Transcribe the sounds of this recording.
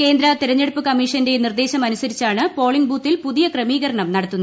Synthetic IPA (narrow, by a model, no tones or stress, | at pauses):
ke̞ːnd̪ɾɐt̪iɾɐɲːeɽupːɨkɐmːiːʂɐnde̞nird̪e̞ːɕɐmɐnusɐɾit͡ɕːaːɳɨpo̞ːɭiŋɡbuːt̪ːilpuðijɐkrɐmiːɣɐɾɐɳɐmnɐɽɐt̪ːunːɐð